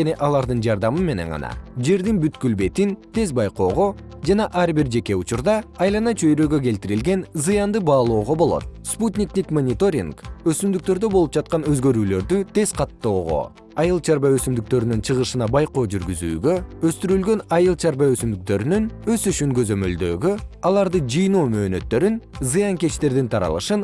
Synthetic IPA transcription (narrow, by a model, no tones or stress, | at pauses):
eniʔɑlˠɑɾd̪ɯnd͡ʒɑɾd̪ɑmɯme̞ne̞̰ɴʁɑ̰nɑ̰d͡ʒe̞ɾd̪inbyt̪kylbe̞t̪int̪e̞zbɑjqo̞ːʁo̞ | d͡ʒɑnɑʔɑɾbiɾd͡ʒe̞ke̞ut͡ʃuɾd̪ɑɑjlˠɑnɑt͡ʃʰø̞jɾøːɡø̞ke̞lt̪iɾilɡe̞nzɯjɑnd̪ɯbɑːlˠo̞ːʁo̞bo̞lˠo̞̰t̪̚sput̪ʲnʲiknʲikmonʲit̪o̞ɾʲḭŋkøsymd̪yk̚t̪ø̞ɾd̪ø̞bo̞lˠup̚d͡ʒɑt̪̚qɑnø̞zɡø̞ɾyːlø̞ɾd̪yt̪e̞zqʰɑt̪ːo̞ːʁo̞̰ | ɑjɯlˠt͡ʃʰɑɾbɑøsymd̪yk̚t̪ø̞ɾynynt͡ʃʰɯʁɯʃɯnɑbɑjqo̞ːd͡ʒyɾɡyzy̰ːɡø̞øst̪yɾylɡø̞nɑjɯlˠt͡ʃʰɑɾbɑø̞symd̪yk̚t̪ø̞ɾynynø̞syʃyŋkø̞zø̞mø̞ld̪ø̞̰ːɡøɑlˠɑɾd̪ɯd͡ʒɯjnoːmø̞ːnø̞t̪ːø̞ɾynzɨjɑŋke̞t͡ʃt̪e̞ɾd̪int̪ʰɑɾɑ̰lˠɯ̰ʃɯn